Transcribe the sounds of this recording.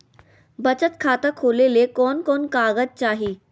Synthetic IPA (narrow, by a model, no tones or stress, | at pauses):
bɐt͡ʃət̪kʰaːt̪akʰoːlelekɔːnkɔːnkaːɡəd͡ʒ̚t͡ʃaːɦiː